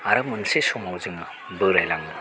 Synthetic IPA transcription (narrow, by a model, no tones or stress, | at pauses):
aɾɯmɯnsesɔmawzɯŋɯ | bɯɾajlaŋnɯ